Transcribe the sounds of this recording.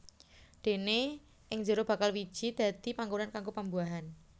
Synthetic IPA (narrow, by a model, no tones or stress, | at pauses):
d̪̥e̤ne | ʔɪŋd͡ʒəɾob̥ä̤kalwi̥ʒ̥i̤d̪̥a̤d̪̥i̤paŋɡonankaŋɡopəmbuaɦan